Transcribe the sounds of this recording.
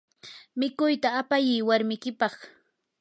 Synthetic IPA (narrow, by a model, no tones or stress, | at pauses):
mɪkʊjt̪aːpajɪjwaɾmɪkɪpɑχ